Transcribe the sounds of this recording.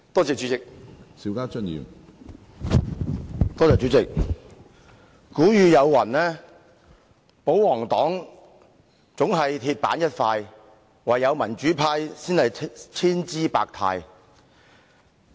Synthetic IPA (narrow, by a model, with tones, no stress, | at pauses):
t̪ɔː˥t͡sɛː˨t͡ʃy˨˦˥t͡sɪ˨k̚si˨˥wkaː˥t͡ʃɵ˥njḭː˨m | t̪ɔː˥˩t͡sɛː˨t͡ʃy˨˧˥t͡sɪ˨k̚ | kuː˨˥jyː˨˧jɐ˨˧wːɐ˨˩nɛː˥ | po˨˥wwɔː˨˩ŋt̪ɔː˨˥ŋ | t͡sʊ˨˥ŋɦɐ˨jt̪ʰiː˧t̚paː˨˥njɐ˥t̚faː˧j | waː˨jɐ˨˧wmɐ˨˩nt͡ʃyː˨˥pʰaː˧˥jsiː˥nhɐ˨jt͡sʰiː˥nt͡siː˥pa̰ː˧k̚t̪ʰa̰ː˧j